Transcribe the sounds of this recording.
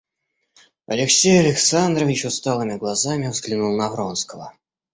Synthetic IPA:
ɐlʲɪksʲejɐlʲɪksand̪ɾəvʲɪt͡ɕʊst̪alˠɨmʲɪɡlˠazamʲɪvzɡlʲɪnulˠnɐvɾonskəvə̰

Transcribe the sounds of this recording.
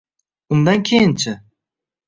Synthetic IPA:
ʊnd̪ankʲʰejɪnt͡ʃʰɪ

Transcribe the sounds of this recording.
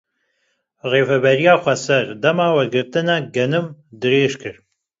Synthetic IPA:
ʁeːfɐbɐrijaːχʷɐsɐrdɐmaːwɐɡɨrtʰɨnaɡɐnɨmdɨreːʂkʰɨr

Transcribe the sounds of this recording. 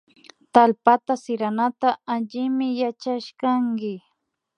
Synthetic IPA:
t̪alpat̪asɪɾanat̪aaʎɪmɪjat͡ʃaʃkaŋɡɪ

